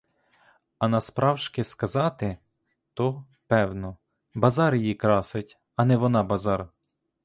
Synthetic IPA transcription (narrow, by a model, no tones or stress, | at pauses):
ɐnɐspɾɑwʃkɪskɐzɑt̪ɪ | t̪ɔ | pɛwnɔ | bɐzɑɾjjikɾɑsɪtʲ | ɐnɛʋɔnɑbɐzɑɾ